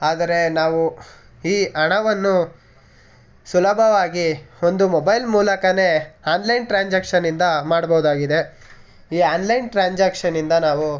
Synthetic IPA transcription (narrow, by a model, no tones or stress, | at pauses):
aːd̪ɐɾe̞naːʋu | iːʔɐɳɐʋɐnːu | sulɐbʱɐʋaːɡio̞nd̪umobɐjlmuːlɐkɐne̞aːnlɐjnʈɾaːɲd͡ʒaːkʂɐnːind̪ɐmaːɽbɐɦud̪aːɡid̪e̞ | iːaːnlɐjnʈɾaːɲd͡ʒaːkʂɐnːind̪ɐnaːʋu